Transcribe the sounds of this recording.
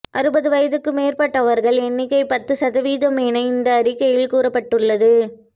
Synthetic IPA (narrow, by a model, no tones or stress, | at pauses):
ʔɐɾɯbɐðɯʋɐjɐðɯkːɯmeːɾpɐʈːɐʋɐɾɣɐɭɛnːɪkːɐɪpɐt̪ːɯsɐðɐʋiːðɐmeːnɐɪnd̪ɐːɾɪkːɐjɪlkuːrɐpːɐʈːɯɭːɐðɯ